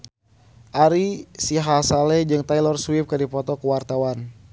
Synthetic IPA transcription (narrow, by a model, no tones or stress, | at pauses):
ʔaɾisiɦasalɛd͡ʒɨŋt̪ajlɔrswip̚kədipɔt̪ɔkəwart̪awan